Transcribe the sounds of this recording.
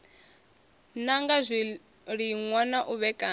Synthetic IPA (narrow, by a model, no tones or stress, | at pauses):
naŋɡazʷi | ɺiŋwanaʔuβɛkʼaː